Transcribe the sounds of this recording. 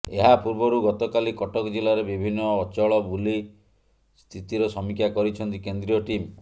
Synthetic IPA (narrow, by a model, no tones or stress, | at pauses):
eɦapuɾbɔɾuɡɔt̪ɔkalikɔʈɔkd͡ʒilaɾebibʱinːɔːt͡ʃɔɭɔbuli | st̪ʰit̪iɾɔsɔmikʰjakɔɾit͡ʃʰɔnt̪ikend̪ɾiɔʈim